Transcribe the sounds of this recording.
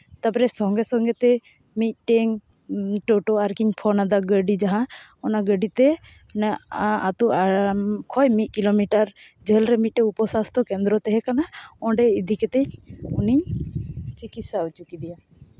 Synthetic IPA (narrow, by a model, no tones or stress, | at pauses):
t̪apɾɛsɔŋɡɛsɔŋɡɛt̪ɛ | mit̪̚ˀʈɛŋ | ʈɔʈɔaɾkiɲpʰɔnad̪aɡəɖid͡ʒaɦãɔnaɡəɖit̪ɛ | nat̪ɔ | kʰɔjmit̪̚ˀkilomiʈaɾ | d͡ʒʱəlɾɛmit̪̚ːɛupɔsast̪ʰɔkɛnd̪ɾɔt̪ɛɦɛkanaɔ̃ɖɛid̪ʱikɛt̪ɛɲuniɲ | t͡ʃikit̪sawt͡ʃukid̪ija